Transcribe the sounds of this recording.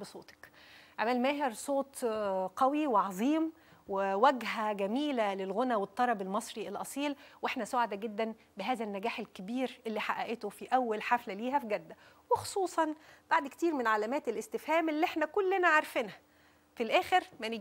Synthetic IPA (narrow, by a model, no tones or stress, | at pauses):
besˤoːt̪ɑ̥kʔamælmæːɦeɾsˤoːt̪ˤqɑwiweʕɑzˤiːm | wewæɡɦæɡæmiːlælelɣonæwet̪ˤːɑɾˤɑbelmɑsˤɾielʔɑsˤiːlweħnæsoʕad̪æɡed̪ːæn | bɪɦæːzænːæɡæːħelkebiːɾʔelːiːħaʔæʔet̪ofiʔæwːælħaflæliːɦæfiɡæd̪ːæ | wexo̥sˤuːsˤɑnb̥aʕd̪ke̥t̪iːɾmenʕalæmæːt̪elest̪ɪfhæːmelːiʔeħnækolːenæʕɑɾˤfenæ | filʔæːxeɾmæne